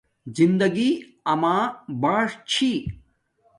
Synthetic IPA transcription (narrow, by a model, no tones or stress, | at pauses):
zind̪ɐɡi | ɐmãːbaːʂt͡ɕʰi